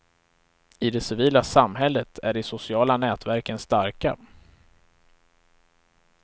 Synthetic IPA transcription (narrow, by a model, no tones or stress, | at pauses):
ɪd̪ɛsɪviːlasamːɦɛlːət̪ʰæɖɪsʊsɪɑːlanɛːt̪væɾkənst̪aɾka̰